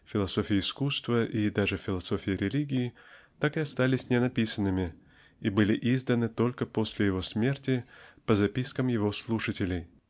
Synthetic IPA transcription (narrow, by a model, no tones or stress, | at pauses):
fʲɪlˠɐso̞fʲɪjɪːskust̪vəʔid̪aʐɨfʲɪlˠɐso̞fʲɪjɪɾʲɪlʲiɡʲɪjɪ | t̪akɨɐst̪alʲɪsʲnʲɪnɐpʲisənːɨmʲɪ | ibɨlʲɪʔizd̪ənɨt̪o̞lʲkəpo̞sʲlʲɪjɪvo̞smʲe̞rtʲɪpəzɐpʲiskəmjɪvo̞slˠuʂətʲɪlʲɪj